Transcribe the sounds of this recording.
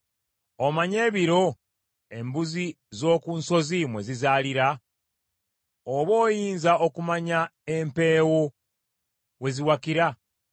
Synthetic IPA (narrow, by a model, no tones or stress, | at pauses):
omaɲe̞ːβiɾo̞ | e̞mbuzi | zo̞ːkunso̞zimwe̞zizaːliɾa | oβo̞ːjiːnzaokumaɲaempe̞ːwo | we̞ziwakiɾa